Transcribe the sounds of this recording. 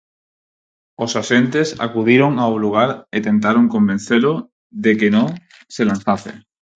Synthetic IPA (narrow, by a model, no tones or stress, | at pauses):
o̞saʃe̞nt̪e̞sa̰kuðiɾo̞ŋauluɣ̞aɾet̪e̞nt̪aɾo̞ŋko̞mben̟θeɾo | ðe̞keno | se̞lan̟θaθḛ